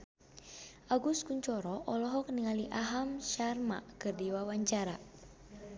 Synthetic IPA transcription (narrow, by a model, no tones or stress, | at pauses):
ʔaɡuskuɲt͡ʃɔɾɔʔɔlɔɦɔk̚niŋaliʔaɦamʃarma̰kɨrdiwawaɲt͡ʃaɾa